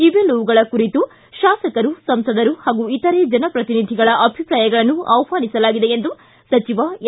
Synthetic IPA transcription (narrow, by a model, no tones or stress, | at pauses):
iʋelːuʋuɡɐɭɐkuɾit̪u | ʃaːsɐkɐɾusɐmsɐd̪ɐɾuhaːɡuit̪ːɐɾeːd͡ʒɐnɐpɾɐt̪inid̪ʱiɡɐɭɐʔɐbʱipɾaːjɐɡɐɭɐnːuɐ̰ʋpaːnisɐlaːɡid̪e̞end̪u | sɐt͡ʃiʋɐ